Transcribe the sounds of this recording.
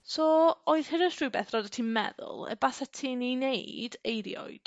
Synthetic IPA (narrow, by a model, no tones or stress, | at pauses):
soːoɨð̥həɾə̥ʃrubɛθrɔdatʰiːmɛ̰ðʊ̰lˠə̰basatʰiːninejdejɾjɔ̰ɨd̥